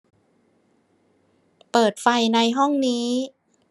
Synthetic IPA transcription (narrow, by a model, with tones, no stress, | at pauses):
pɤː˨˩t̪̚fa˧jna˧jɦɔ˥˩ŋniː˦˥